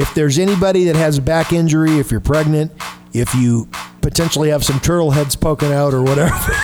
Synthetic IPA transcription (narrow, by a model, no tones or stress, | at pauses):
ɨfðə˞zɛñibɑɾiðɨt̚ɦhɨzbækɪ̃nd͡ʒə˞iɨfjə˞pʰɹ̥ɛɡ̚nɨ̃nt | ɪfjɨpɨtʰɛ̃nʃl̩ˠiɨv̥sʌ̃mtʰɜ˞ɾl̩ˠɦɛdz̥pʰoʊkɨ̃naʊɾə˞wʌɾɛvə˞